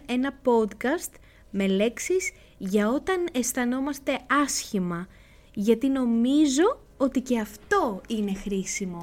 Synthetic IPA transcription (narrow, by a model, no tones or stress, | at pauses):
e̞nɐpo̞t̪kɐst̪ | me̞le̞ksiz̥ | ʝɐo̞t̪ɐne̞st̪ɐno̞mɐst̪e̞ɐsçimɐ | ʝɐt̪ino̞mizo̞ | o̞t̪ice̞ɐft̪o̞ine̞xɾisimo̞